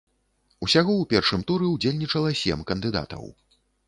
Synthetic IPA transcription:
usʲaɣɔwpʲɛrʂɨmt̪uɾɛud͡zʲelʲnʲit͡ʂɐlˠɐsʲɛmkɐnd̪ɨd̪a̰t̪ɐ̰w

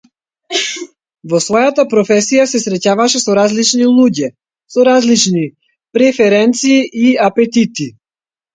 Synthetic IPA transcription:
vɔsvɔjat̪apɾɔfɛsijasɛsɾɛcavaʃɛsɔɾazlit͡ʃnilˠuɟɛ | sɔɾazlit͡ʃni | pɾɛfɛɾɛnt̪siːʔiapɛt̪it̪i

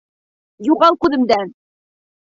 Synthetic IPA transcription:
juʁɑlˠkʉðɘ̆md̪æn

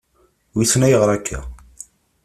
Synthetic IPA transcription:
wisnæjəʁɾˤækʰːæ̰

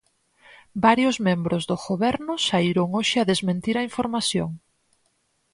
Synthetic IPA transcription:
baɾjʊzmẽmbɾʊzðʊɣoβɛɾnʊsaiɾʊŋoʃɪaðezmẽnt̪iɾɐiɱfoɾmaθjo̰ŋ

